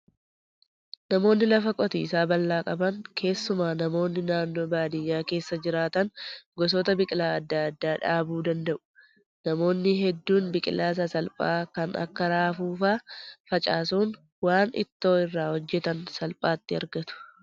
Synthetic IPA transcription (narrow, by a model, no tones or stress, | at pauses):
nɐmo̞ːnːɪlɐfɐkʼɔt̪ḭːsaːbɐlːaːkʼɐbɐŋkʰe̞ːsːʊmaːnɐmo̞ːnːɪnaːnːo̞ːbaːd̪ɪjːaːke̞ːsːɐd͡ʒɪɾaːt̪ɐnɡɔs̬ɔːt̪ɐbɪkʼɪlaːɐd̪ːaɐd̪ːaːᶑaːbuːd̪ɐnd̪ɐʔʊ̥ | nɐmo̞ːnːɪɦɛd̪ːuːnbɪkʼɪlaːs̬ɐsɐlpʼaːkɐnʔɐ̰kːɐɾaːfuːfaːfɐt͡ʃʼaːsuːn | waːnɪ̰t̪ːo̞ːɪrːaːhɔd͡ʒːɛt̪ɐnsɐlpʼaːt̪ːɪɐɾɡɐt̪ʊ̥